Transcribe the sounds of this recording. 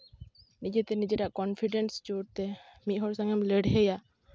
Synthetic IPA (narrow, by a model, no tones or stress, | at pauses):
nid͡ʒet̪ɛnid͡ʒeʈaʔkɔnpʰiɖenst͡ʃoɽt̪ɛmit̪ˀɦɔɾsaŋɛmleɽɦeja